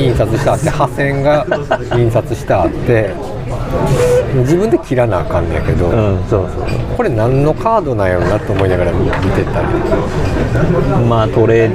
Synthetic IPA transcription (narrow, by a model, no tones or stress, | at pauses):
ĩɰ̃sat͡sɨɕi̥t̪aːt̪ːehasẽ̞ŋɡaĩɰ̃sat͡sɨɕi̥t̪aːt̪ːe̞ | md͡ʑibɯ̟nd̪ekʲiɾanaːkãnːẽja̰ke̞d̪õ̞soːso̰ːo̰ko̞ɾe̞nãnːo̞kʰaːd̪o̞najoninat̪ːeomoinaɡaɾammit̪e̞t̪ːaɾ | mat̪o̞ɾeː